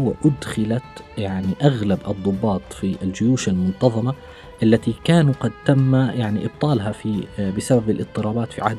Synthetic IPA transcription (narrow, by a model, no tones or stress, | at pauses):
ʊwːaʔʊd̪xɪlat̪jaʕniʔaɣlabʔɨd̪ˤːʊbːɑːt̪ˤfiʔɪld͡ʒʊjuːʃalmʊnt̪ɑðˤɑma | ʔalːat̪ikaːnuqɑd̪̚t̪amːajaʕniʔɪb̚t̪ˤɑːlɦafibɪsababɪlʔɪt̪ˤːɨɾˤɑːbaːt̪fḭʕa̰hd̪